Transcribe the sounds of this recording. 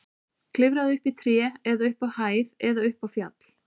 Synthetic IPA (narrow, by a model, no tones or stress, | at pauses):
kʰlɪvɾaðʏhpit̪ʰɾjɛːɛðaʏhpawhaːjðɛðaʏhpavfjat̪l̥